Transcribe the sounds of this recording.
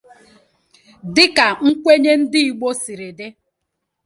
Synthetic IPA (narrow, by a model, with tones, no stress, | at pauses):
dɪ˦ka˨ŋ̩˦kʷe˦ɲe˦n̩˦dɪ˦i˨ɡ͡bo˦si˨ɾe˨de˦